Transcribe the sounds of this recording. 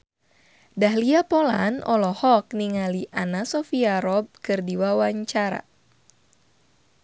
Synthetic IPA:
dahliapɔlanɔlɔhɔkniŋaliʔanasɔfiaɾɔb̚kɨrdiwawaɲt͡ʃaɾa̰

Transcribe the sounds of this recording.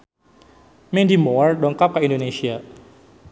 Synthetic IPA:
mɛndimɔardɔŋkap̚kaindonesia

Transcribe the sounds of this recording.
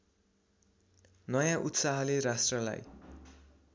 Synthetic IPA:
nʌjãʔut̪saɦʌleɾasʈrʌla̰j

